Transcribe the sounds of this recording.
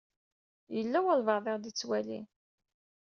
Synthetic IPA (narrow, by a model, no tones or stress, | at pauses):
jəlːæwəlvɑɾðˤeʁd̪it͡sːwælḭ